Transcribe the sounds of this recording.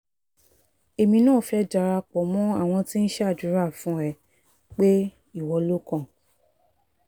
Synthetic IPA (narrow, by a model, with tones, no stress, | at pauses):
e˨mĩ˧nãː˦˨fɛ˦d͡ʒa˨˧ɾa˧k͡pɔ˨˦mɔ̃˦a˦˨w̃ɔ̃˧ti˦n̩˦ʃdu˨˦ɾa˦˨fũ˨˦ɾɛ˦˨ | k͡pe˦ | i˦˨wɔ˨˧lo˦kɔ̃˦˨